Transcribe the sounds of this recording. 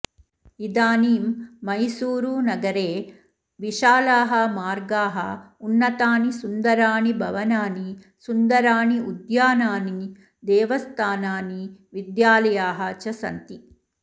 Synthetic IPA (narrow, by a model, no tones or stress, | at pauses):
id̪aːniːmːɐjsuːɾuːnɐɡɐɾeː | ʋiʃaːlaːɦɐmaːɾɡaːɦɐ̰ | unːɐt̪aːnisund̪ɐɾaːnibʱɐʋɐnaːni | sund̪ɐɾaːniud̪jaːnaːni | d̪ɛːʋɐst̪ʰaːnaːniʋid̪jaːlɐjaːɦɐt͡ʃɐsɐ̰nt̪i